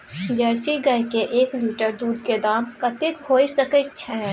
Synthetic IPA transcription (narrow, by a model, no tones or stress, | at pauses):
d͡ʒɛːɾsiɡɐɦkeʔeːkliːʈəɾd̪uːd̪ked̪aːmkɐt̪ɪkɦoːisɐkət͡ʃʰɛ